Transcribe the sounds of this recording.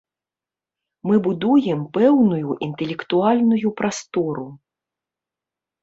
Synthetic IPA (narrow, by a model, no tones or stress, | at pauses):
mɨbud̪ujɛmpɛwnujuʔint̪ɛlʲɛkt̪ualʲnujupɾast̪ɔɾu